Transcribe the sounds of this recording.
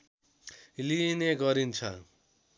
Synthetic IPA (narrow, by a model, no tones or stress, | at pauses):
lineɡʌɾint͡sʰʌ̰